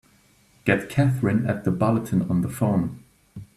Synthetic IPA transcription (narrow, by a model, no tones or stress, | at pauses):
ɡ̥ɛt̚kʰæθɹɪ̃nə̰t̪̚ðəbɑlˠətʰɨ̃nə̃nðəfɔ̃n